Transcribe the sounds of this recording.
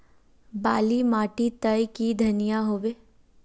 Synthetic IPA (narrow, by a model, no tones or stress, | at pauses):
baːlimaːʈit̪əjkid̪ʱɐnijaɦoːʋeː